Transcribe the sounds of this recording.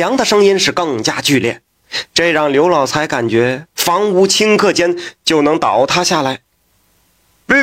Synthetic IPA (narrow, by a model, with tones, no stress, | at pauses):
jɑ˧˥ŋd̪ə˨ʂɤ˥ŋi˥nʂɻ̩˥˧kɤ˥˩ŋt͡ɕja˥t͡ɕy˥˧ljɛ̰˥˩n | ʈ͡ʂe˥˧ɻɑ˥˩ŋljo˧˥ʊlɑ˨˩ʊt͡sʰa˧˥ɪka˨˩nt͡ɕɥɛ˧˥fɑ˧˥ŋu˧˥t͡ɕʰi˥ŋkʰɤ˥˩t͡ɕjɛ˥nt͡ɕjo˥˩ʊnɤ˧˥ŋt̪ɑ˨˩˦ʊt̪ʰa˥ɕja˥˩la˧˥ɪ˥˩